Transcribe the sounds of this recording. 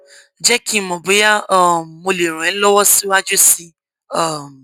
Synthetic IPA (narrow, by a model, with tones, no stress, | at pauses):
d͡ʒɛ˦ki˦˨mõ˨bo˨˦ja˦ɔ˦˨mo˧le˨ɾ̃ũ˨ɛ̃˨˦lɔ˦wɔ˦si˦wa˦d͡ʒo˦si˧ | ɔ˦˨